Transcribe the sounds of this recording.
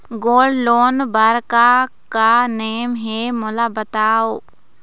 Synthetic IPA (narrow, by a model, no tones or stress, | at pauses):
ɡoːlloːnbaːɾka | kaneːmɦemʊlabət̪aːoː